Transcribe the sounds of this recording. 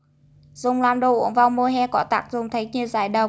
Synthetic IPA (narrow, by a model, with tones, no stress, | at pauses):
z̥ʊ˨˩ŋ͡mlaː˧˩mɗo˧˩ʔṵ˧˦ənvaː˧˩wmo˧ɦɛ˧kɔ˧˥t̪a̰ː˨˩k̚zʊ˨˩ŋ͡mt̪ʰə˨˦jɲɨ˧˩əwza̰ː˧˩jɗə˨˩w